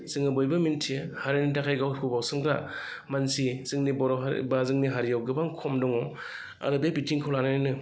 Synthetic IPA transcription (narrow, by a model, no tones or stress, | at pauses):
z̥ɯŋɯbɔjbamintʰiehaɾinitakʰajɡawkʰubawsɯmɡɾa | mansizɯŋnibɔɾɔbazɯŋniɦaɾijawɡɯbaŋkʰɔmdɔŋɔ | a̰ɾɯbebitʰiŋkʰawlananinɯ